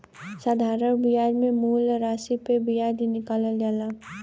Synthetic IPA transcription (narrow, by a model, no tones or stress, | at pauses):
sad̪ʱaɾəɾbiaɾmemuːlɾasipebijaɾd̪inɪkaləlɡala